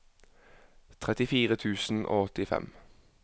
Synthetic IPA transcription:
t̪ʰʁɛt̪ɪfiːʁət̪ʰʉːsn̩ʔo̰ːɔt̪ɪfɛ̰m

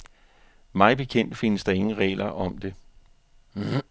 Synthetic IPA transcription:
mɑ̈ɪb̥e̝kʰen̰d̥fe̝nəsd̥ɑ̈e̝ŋn̩ʁɛ̰ːlɐʔɒ̽md̥e̝

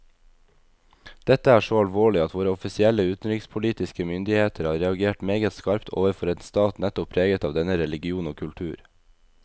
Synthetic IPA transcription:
d̪̥ɛt̪əæːʃoːɑlʋoːɭɪɑt̪ʋoːɾəɔfɪsɪɛləʉːt̪n̩ɾɪkspʰʊliːt̪ɪskəmʏnd̪ɪheːt̪ʰəɾhɑːɾɛɑɡeːʈmeːɡət̪skɑɾpt̪ʰo̰ːʋəɾfɔɾɛnst̪ɑːt̪nɛt̪ʊpʰɾeːɡət̪ɑːʋd̪ɛnəɾɛlɪɡɪuːnoːkʰʉlʈ̪ʰʉːɾ

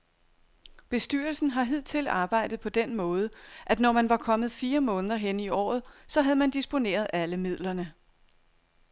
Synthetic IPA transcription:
b̥e̝sd̥yɐlsn̩ɦɑ̈ɦið̞̰ˠt͡sʰe̝lɑ̈ːb̥ɑ̈ɪ̰d̥ð̩ˠpʰɒ̽d̥enmɔ̽ːð̞ˠəʔæd̥nɒmænʋɑ̈kʰɒ̽mð̞̩ˠfiːɐmɔ̽ːnəð̞ˠɐɦeniɒ̰ːð̞̩ˠsɒ̽ɦæð̞̩ˠmænd̥isb̥o̝ne̝̰ːɐðˠæləmið̞̰ˠlɐnə

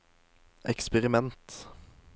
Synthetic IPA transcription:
ʔɛ̰kspəʁɪmɛnt̪

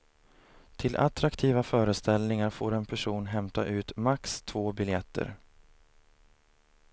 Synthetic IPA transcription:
t̪ʰɪlʔa̰t̪ɾakt̪ʰiːvafœːɾəst̪ɛlnɪŋaɾfoːɾɛnpʰæʂuːnɦɛmt̪a̰ʔʉ̟ːt̪makst̪ʰvoːbɪljɛt̪ʰːə̰ɾ

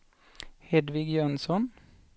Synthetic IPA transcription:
hɛd̪ʋɪɡjœnsɔn

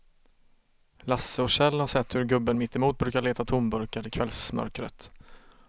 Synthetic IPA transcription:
lasːəɔʂɛlːhaʂɛt̪ːhɵɾɡɵbːənmɪt̪ʰːɪmuːt̪̚bɾʉ̟ːkaɭeːt̪at̪ʰʊmbɵɾkaɾɪkʰvɛlsmœ̰ɾkɾə̰t̪

